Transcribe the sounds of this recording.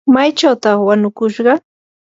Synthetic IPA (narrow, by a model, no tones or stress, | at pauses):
majt͡ʃawt̪ɑχwanʊkʊʃɢɑ